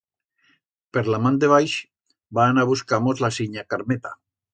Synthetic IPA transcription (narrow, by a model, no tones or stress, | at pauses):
peɾlamand̪eβajʃ | baːnaβuskamozlasiɲakaɾmet̪a̰